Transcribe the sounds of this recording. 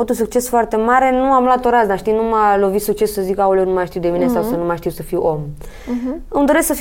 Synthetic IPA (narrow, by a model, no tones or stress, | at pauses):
ot̪uns̬uk̚t͡ʃe̞sfoart̪e̞maɾe̞nuamlat̪o̞ɾasd̪aʃt̪inumalo̞vit̪suk̚t͡ʃe̞ssəzikaulenumaʃt̪iwd̪e̞minesawsənumaʃt̪iwsəfiwom | ɨmd̪o̞ɾe̞sksəf